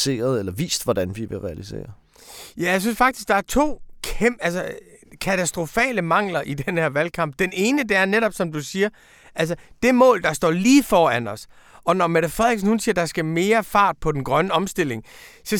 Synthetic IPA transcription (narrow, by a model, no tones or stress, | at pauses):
e̝̰ːɐðˠelɐʋḭːsd̥ʋɒd̥ænʋiʋe̝ʁɛælise̝̰ːɐ | jæjaɪsynsfɑ̈ɡ̥d̥isɡ̥̚d̥ɑ̈æɐt͡sʰo̝̰ːkʰeælsəkʰæt͡sʰæsd̥ʁo̝fɛ̰ːləmɑ̈ŋ̰lɐʔid̥enheɐʋælkʰɑ̈m̰b̥̚d̥ene̝ːnəd̥e̝æɐneɾɒ̽b̥sɒ̽md̥usiːɐ | ʔæls̬əd̥e̝mɔ̰̽ːld̥ɑ̈sd̥ɒ̰ːliːfɒːænɒ̽s | ʔɒ̽nɒmeɾ̥əfʁɛðˠeɡ̥snhunsiːɐd̥ɑ̈sɡ̥æme̝ːɐfɑ̈ːd̥̚pʰɒ̽d̥enɡ̥ʁɶnəɒ̽msd̥e̝l̰e̝ŋsɒ̽